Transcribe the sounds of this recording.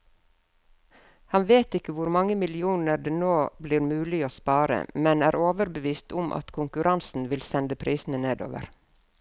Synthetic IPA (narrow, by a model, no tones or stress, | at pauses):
hɑnʋeːt̪ɪkəʋʊɾmɑŋəmɪlɪuːnəɾɖeːnoːbliːɾmʉːlɪoːspɑːɾə̰mɛnæːɾoːʋəɾbəʋiːst̪ʊ̰mʔɑ̰t̪kʰʊŋkʉɾʔɑnsn̩ʋɪlsɛnd̪əpʰɾʔiːsn̩əneːd̪o̰ːʋə̰ɾ